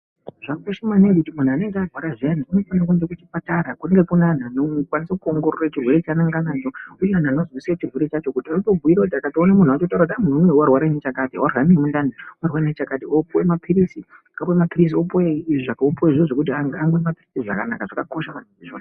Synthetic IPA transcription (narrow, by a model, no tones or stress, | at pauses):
ʐ̥aŋɡoʃimanek̬utimun̤uane̞ŋɡearʱwaɾaʐen̤iuno̞fanak̬uɲd͡ʒekut͡ʃipataɾakuneŋɡe̞kunananokwanisakuoŋɡo̞ɾorat͡ʃirwe̞ɾet͡ʃanaŋɡanat͡ʃo̞ujeananozwisiret͡ʃirwe̞ɾet͡ʃat͡ʃo̞kutiaruto̞ɡʱuiɾakutiakationemun̤uat͡ʃot̬auɾakutamunumewarwaɾenet͡ʃakatiwarwanemundaniwarwaneit͡ʃakatiopowemapʰiɾisi | kapoemapiris̬iopojeʐakopojeʐioʐokut̬iaŋɡaŋɡemapirisiʐa̰kana̰kaʐakako̞ʃaʋan̤uiʐo̰ːn